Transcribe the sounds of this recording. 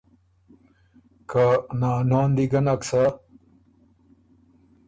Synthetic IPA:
kanaːnaːnd̪iɡɐnɐksa

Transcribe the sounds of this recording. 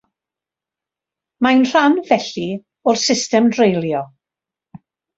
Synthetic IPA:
majnr̥anvɛɬi | ɔrsɪstɛmdrejlˠjɔ

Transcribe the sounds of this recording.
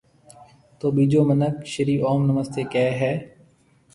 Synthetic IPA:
t̪oːbiːd͡ʒoːmənəkʃəɾiːʔɔːmnəməst̪eːkɛːɦɛː

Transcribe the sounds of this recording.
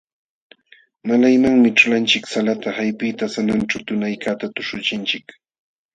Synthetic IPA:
malajmaŋmɪʈ͡ʂʊlant͡ʃɪksalat̪ahajpɪt̪asananʈ͡ʂawt̪ʊnajkat̪at̪ʊʃʊt͡ʃɪnt͡ʃɪk

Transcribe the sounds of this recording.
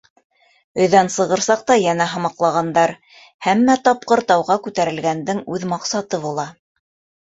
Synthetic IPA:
ɵ̆ðænsɤ̆ʁɤ̆ɾsɑq̚t̪ɑjænæɦɤ̆mɑqlˠɑʁɑnd̪ɑɾ | hæmːæt̪ɑp̚qɤ̆ɾt̪ɑwʁɑkʉt̪æɾɘ̆lɡænd̪ɘŋʉðmɑqsɑt̪ɤβulˠɑ

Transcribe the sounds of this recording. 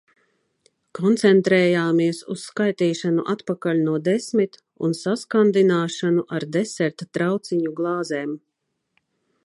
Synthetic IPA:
kʰɔnt̪sɛnt̪ɾɛːjaːmiɛsusːkajt̪iːʃanuʔat̪pakalʲnuɔd̪ɛsmit̪ | ṵnsaskand̪inaːʃanuʔaɾd̪ɛsɛɾt̪at̪ɾawt̪siɲuɡlˠɑːzɛːm

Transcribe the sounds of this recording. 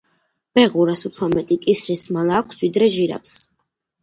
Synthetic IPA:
b̥ɛʁuɾasupʰɾɔmɛt̪ʼikʼisɾismalˠaːkʰsvid̪ɾɛʒiɾa̰ps

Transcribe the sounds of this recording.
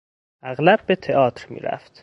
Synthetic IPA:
ʔæɣlæb̚ːe̞t̪ʰeɒːt̪ʰɾmḭːɾæ̰ft̪

